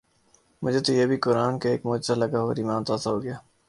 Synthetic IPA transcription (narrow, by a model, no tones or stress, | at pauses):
mʊd͡ʒʱet̪ojeːbʱikʊɾaːnkeeːkmoːd͡ʒɪzalɐɡaɦoɾimãːnt̪aːsaɦoːɡɪjaː